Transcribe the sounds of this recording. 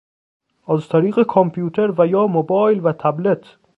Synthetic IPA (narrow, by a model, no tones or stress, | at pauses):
ʔæzt̪ʰæɾiːɣekʰompʰjuːt̪ʰeɾvæjɒːmobɒːjlvæt̪ʰæblet̪ʰ